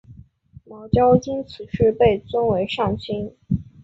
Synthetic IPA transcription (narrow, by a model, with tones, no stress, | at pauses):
mɑ˧˥ʊt͡ɕjɑ˥ʊi˥nt͡sʰɹ̩˨˩ʂɻ̩˥˧pe˥˩ɪt͡swə˥nwe˧˥ɪʂɑ˥˩ŋɕi˥n